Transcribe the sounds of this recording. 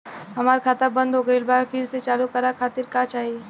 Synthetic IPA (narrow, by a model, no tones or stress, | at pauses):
ɦɐmaːɾkʰaːt̪abə̃nd̪ɦoɡəelbaːɡpʰɪɾset͡ʃaːlukəɾakʰaːt̪ɪɾkat͡ʃaːɦie